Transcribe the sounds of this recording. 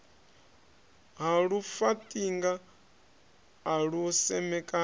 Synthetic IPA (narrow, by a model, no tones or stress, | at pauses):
ɦaɺufatʼiŋɡa | ɺusɛmɛkʼa